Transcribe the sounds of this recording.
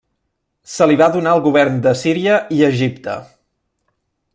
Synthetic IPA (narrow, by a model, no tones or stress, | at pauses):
səliβaðunaəlˠɣuβ̞ɛrnd̪əsiɾiəiəʒipt̪ə̰